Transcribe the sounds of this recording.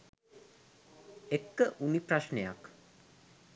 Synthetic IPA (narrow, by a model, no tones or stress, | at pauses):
ekːəʔunipraʃneja̰k